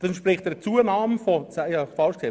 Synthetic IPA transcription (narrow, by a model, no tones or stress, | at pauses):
d̥ɑsnʃpɾɪχtɛt͡suːənaːmfɔsajɑfɑlʃkʰtʰe